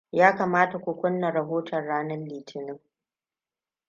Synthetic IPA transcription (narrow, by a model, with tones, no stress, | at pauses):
jaː˦kaː˨maː˦ta˨kʷʊ˨kʷʊ˦nːa˨ɾɐ˨ɦoː˦tʰɐ˨nɽaː˦nɐ˦lːiː˨tʰɪ˨nɪ˦ŋ